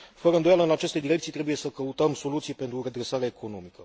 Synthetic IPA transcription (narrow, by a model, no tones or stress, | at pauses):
fəɾəɨnd̪ojaləɨnat͡ʃe̞st̪e̞d̪iɾekt̪sit̪ɾe̞buje̞səkəut̪əmso̞lut̪sijpe̞nt̪ɾuɾe̞d̪ɾe̞saɾeaekʰo̞no̞mikə